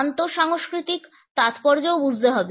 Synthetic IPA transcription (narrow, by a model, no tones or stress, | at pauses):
nt̪oʃaŋoʃkɾit̪ik | t̪at̪pɔɾd͡ʑoobud͡ʑd̪eɦɔbe